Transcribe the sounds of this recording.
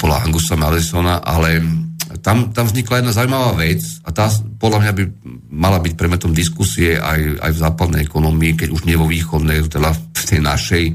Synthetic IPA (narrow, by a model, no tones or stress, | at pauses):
pɔd̪la̰a̰ŋɡusamalɛsɔnaʔalɛt̪amt̪amvzɲiklajɛd̪nazaumaʋaːʋɛt͡sat̪aːpɔd̪lamɲabi | malabic̚pɾɛd̪mɛt̪ɔmd̪iskusiɛʔa̰ja̰jvzaːpad̪nɛ̰jɛkɔnɔmiːkɛɟuʒɲɪɛʋɔʋiːxɔd̪nɛjt̪ɛd̪aft̪ɛjna̰ʃɛj